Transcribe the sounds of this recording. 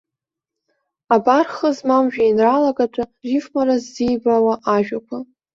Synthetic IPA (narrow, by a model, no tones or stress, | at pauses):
abarχəzmamʒᶣajinralaɡatʷʼaʒifmaɾazːijbawaʔaʒᶣakʷʰa